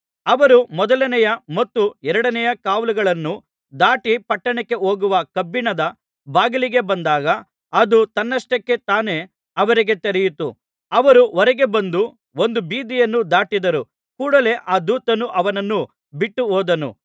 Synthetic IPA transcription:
ɐʋɐɾumɔd̪ɐlɐnɛjɐmɐt̪ːuɛɾɐɽɐnɛjɐkaːʋlɐɡɐɭɐnːu | d̪aːʈipɐʈːɐɳɛkːe̞oːɡuʋɐkɐbːiɳɐd̪ɐ | baːɡɐliɡe̞bɐnd̪aːɡɐ | ɐd̪ut̪ɐnːɐʂʈɐkːet̪aːne̞ | ɐʋɐɾiɡe̞t̪eɾɛjut̪u | ɐʋɐɾuɔɾɛɡe̞bɐnd̪u | o̞nd̪ubiːd̪ijɐnːud̪aːʈid̪ɐɾu | kuːɽɐle̞ʔaːd̪uːt̪ɐnuʔɐʋɐnɐnːu | biʈːuɦoːd̪ɐnṵ

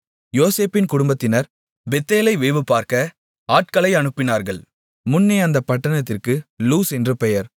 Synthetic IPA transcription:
joːseːpɪnkʊɽʊmbɐt̪ːɪnɐɾ | bɛt̪ːeːlɐɪʋeːʋɯpːaːɾkɐ | aːʈkɐlɐɪɐnɯpːɪnaːɾɣɐɭ | mʊnːeɐnd̪ɐpɐʈːɐnɐt̪ːɪrkɯluːsɛndrɯpɛjɐɾ

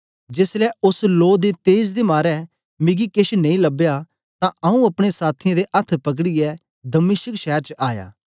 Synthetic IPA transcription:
d͡ʒeːslɛʊsloːd̪et̪eːd͡ʒd̪emaːɾɛ | mɪɡikeʃnɐ̃ĩlɐbja | t̪ãɐũɐpɽ̃esaːt̪ʰɪãd̪eʔɐt̪ʰːpɐk̬ɽijɛ | d̪ɐmɪːʃəkʃɛɦɾt͡ʃəʔaːja̰ː

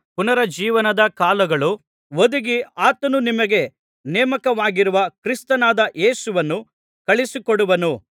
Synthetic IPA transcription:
punɐɾɐd͡ʒiːʋɐnɐd̪ɐkaːlɐɡɐɭu | ʋod̪uɡiaːt̪ɐnunimɐɡe̞ | nɛːmɐkɐʋaːɡiɾuʋɐkɾist̪ɐnaːd̪ɐʔe̞ːsuʋɐnːu | kɐɭisikɔɽuʋɐnu

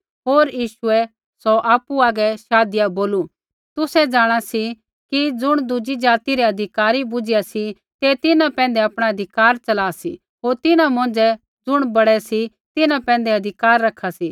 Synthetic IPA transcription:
ɦoːɾjiːʃʊɛ | sɔʔaːpːuaːɡɛʃaːd̪ɪjaboːlu | t̪ʊsɛd͡ʒaːɽ̃asi | kid͡zʊɽ̃d̪ʊd͡ʒid͡ʒaːt̪iɾiɐd̪ʱɪkaːɾibʊd͡ʒɪjasi | t̪et̪ɪnãpɛ̃ːn̆d̪ɛɐpɽ̃aɐd̪ʱɪkaːɾt͡ʃɐlaːsḭ | ɦoːɾt̪ɪnãmɐ̃nd͡ʒɛ | d͡zʊɽ̃bɐɽɛsi | t̪ɪnãpɛ̃ːn̆d̪ɛɐd̪ʱɪkaːɾːɐkʰasiː

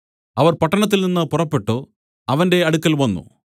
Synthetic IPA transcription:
ɐʋɐrpɐʈːɐɳɐt̪̬ːilninːɨpurɐpːe̞ʈːu | ɐʋɐnde̞ɐɽukːɐlʋɐnːṵ

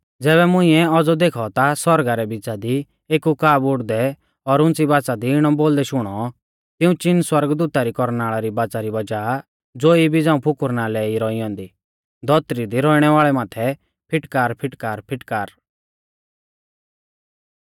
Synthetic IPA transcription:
d͡zɛːβɛmʊ̃ĩɛɔd͡zɔd̪eːkʰɔt̪asɔɾɡaɾɛbɪd͡zad̪i | eːkukaːbʊɽd̪ɛ | ɔɾʊ̃nt͡sibaːt͡sad̪iɪɽ̃ɔboːld̪ɛʃʊɽ̃ɔ | t̪ɪũt͡ʃɪnswɐɾɡd̪uːt̪aɾikɔɾnaːɭaɾibaːt͡saɾibɐd͡ʒaː | d͡zoːibʱid͡zãːũpʰʊkʊɾnalɛiɾɔiɔ̃ːnd̪iː | d̪ɔt̪ɾid̪iɾɔiɽ̃ɛʋaːɭɛmaːt̪ʰɛ | pʰɪʈkaːɾpʰɪʈkaːɾpʰɪʈkaːɾ

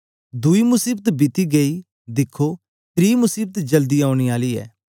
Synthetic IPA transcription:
d̪ʊimʊsiːbət̪bɪt̪iɡəi | d̪ɪkʰːo | t̪ɾiːmʊsiːbət̪d͡ʒəld̪iaːʊɽ̃iaːliːɛ̰ː

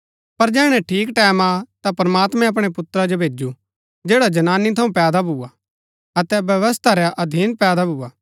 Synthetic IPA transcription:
pɐɾd͡ʒɛːɽ̃ɛʈʰiːkʈɛːmat̪apɾɐmaːt̪mɛ̃ɐp̬ɽ̃epʊt̪ɾad͡ʒobʱeːd͡ʒu | d͡ʒeːɽad͡ʒɐnaːnit̪ʰɐũpɛːd̪abʱuːa | ɐt̪ɛbjɐʋəst̪ʰaɾɛʔɐd̪ʱiːnpɛːd̪abʱuːaː

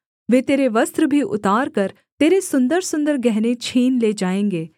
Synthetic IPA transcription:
ʋeːt̪eːɾeʋɐst̪ɾəbʱiʔʊ̰t̪aːɾkɐɾ | t̪eːɾesʊ̃nd̪əɾsʊ̃nd̪əɾɡɛɦnet͡ʃʰiːnleːd͡ʒaːẽːŋɡeː

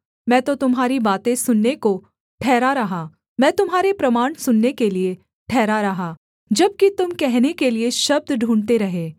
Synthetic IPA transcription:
mɛ̃ːt̪ot̪ʊmɦaːɾibaːt̪ẽsʊnːeko | ʈʰɛːɾaɾɐɦaː | mɛ̃ːt̪ʊmɦaːɾepɾɐmaːɳ̃sʊnːekelie | ʈʰɛːɾaɾɐɦa | d͡ʒɐb̚kit̪ʊmkɛɦnekelieʃɐb̚d̪ɖʱũːɳt̪eɾɐɦeː

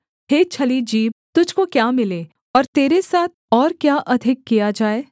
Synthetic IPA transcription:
heːt͡ʃʰɐlid͡ʒiːb̚t̪ʊd͡ʒʱkokjaːmɪleː | ɔːɾt̪eːɾesaːt̪̚ʰɔːɾkjaːʔɐd̪ʱɪkːijad͡ʒaːeː

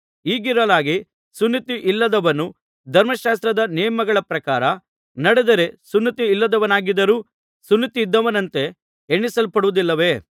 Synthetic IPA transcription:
iːɡiɾɐlaːɡi | sunːit̪iʔilːɐd̪ɐʋɐnːu | d̪ʱɐɾmɐʃaːs̬t̪ɾɐd̪ɐnɛːjɐmɐɡɐɭɐpɾɐkaːɾɐ | nɐɽed̪ɐɾe̞sunːit̪iːlːɐd̪ɐʋɐnaːɡid̪ɐɾuː | sunːit̪iːd̪ːɐʋɐnɐnt̪e̞ | eɳːisɐlpɐɽuʋud̪ilːɐʋe̞ː

